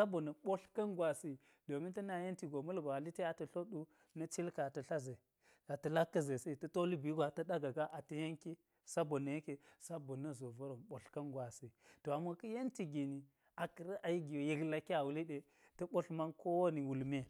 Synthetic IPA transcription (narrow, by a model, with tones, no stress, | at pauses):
sa˦bo˨nɐ˨ɓo˦ɬkɐ˦nɡwa˨si˦ | do˨mi˦ntɐ˦na˨je˦nti˨ɡo˨mɐ˦lɡo˨a˨li˦te˦a˨tɐ˨ɬo˦ɗu˦ | nɐ˦t͡ʃi˦lka˨tɐ˨ɬa˦ze˨ | a˨tɐ˨la˦kːɐ˦ze˨si˦˨tɐ˦to˦li˦bi˨˦ɡʷa˨tɐ˦ɗa˦ɡa˨ɡa˦ʔa˨tɐ˦je˦ŋki˦ | sa˦bo˨nːə˨je˦ke˨sa˦bo˨nɐ˦zo˨vɐ˦ɾo˨mɓo˨ɬkɐ˦nɡwa˨si˨to˨a˨mo˨kɐ˦je˦nti˨ɡi˨ni˨ | a˨kə˨ɾɐ˦ʔa˨ji˦ɡi˨jo˨ji˨ɡla˨ki˦a˨wu˨li˦ɗe˨ | tɐ˦ɓo˦ɬma˦nko˦wo˦ni˨wu˨lme˦